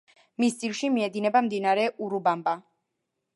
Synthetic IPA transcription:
mist̪sʼilʃimiɛd̪inɛbamd̪inaɾɛʔuɾubamba

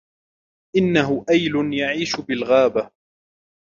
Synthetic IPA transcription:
ʔɪnːaɦʊʔajlʊnjaʕiːʃʊbɪlɣaːba

